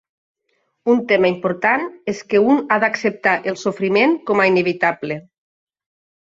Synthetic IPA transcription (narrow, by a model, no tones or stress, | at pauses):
unt̪emaimpoɾt̪aneskeunaðaksep̚t̪aʔelˠsofɾimeŋkɔmaineβit̪able